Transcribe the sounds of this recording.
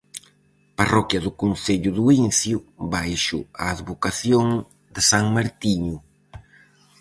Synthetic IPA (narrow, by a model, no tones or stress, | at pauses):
parɔkjɐðʊkunθeʎʊðʊinθjʊβajʃʊ̰aːðβokaθjoŋ | d̪ɪsaŋmaɾt̪iɲʊ